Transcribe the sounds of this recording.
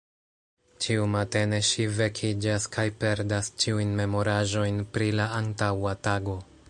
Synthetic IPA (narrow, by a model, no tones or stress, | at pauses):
t͡ʃiumate̞ne̞ʃive̞kʰid͡ʒaskʰajpe̞ɾdast͡ʃiujnme̞mo̞ɾaʒo̞jnpɾilaantawataɡo̞